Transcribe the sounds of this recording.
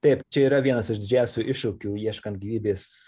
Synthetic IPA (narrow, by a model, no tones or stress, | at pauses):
t̪ɛɪpt͡ʃʲɛiːɾɐʋʲiɛnɐsɪʃd̪ʲɪd͡ʒʲæˑʊsʲuːʔɪʃukʲuːiɛʃkɐnt̪ɡʲiːʋʲiːbʲeːs